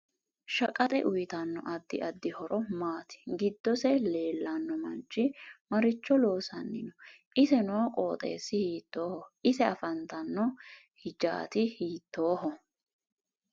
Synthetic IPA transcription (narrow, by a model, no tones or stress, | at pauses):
ʃɐkʼɐt̪ʼɛʔʊjt̪ɐnːɔ̰ʔɐd̪ːɪʔɐd̪ːɪhɔɾʔɔmaːt̪ɪ̥ɡɪd̪ːɔsɛle̞ːlːɐnːɔmɐnt͡ʃːɪmɐɾɪt͡ʃːɔlo̞ːsɐnːɪnɔ | ʔɪsɛnoːkʼoːt̪ʼe̞̰ːsːɪhiːt̪ːoːhɔɪsɛɐfɐnt̪ɐnːɔ | hɪd͡ʒa̰ːt̪ɪhiːt̪ːo̞ːhɔ